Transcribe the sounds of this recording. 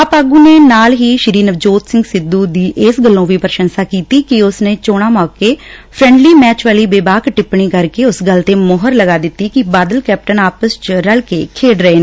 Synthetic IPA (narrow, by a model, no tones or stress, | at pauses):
əpaːɡũːneːnaːlɦiːʃɪɾiːnəʋd͡ʒoːt̪sɪ̃ŋɡsɪd̪ːuːd̪iːʔɪsɡəlːõːʋiːpəɾʃənsaːkiːt̪iːkɪʊsneːt͡ʃoːɽ̃aːmaːkeːpʰɾɛ̃ːɳɖliːmɛːt͡ʃʋaːliːbeːbaːkʈɪpɳiːkəɾkeːʊsɡəlt̪eːmɔːɦəɾləɡaːd̪ɪt̪ːiːkɪbaːd̪əlkɛːp̚ʈənaːpəst͡ʃɾəlkeːkʰeːɖɾəeː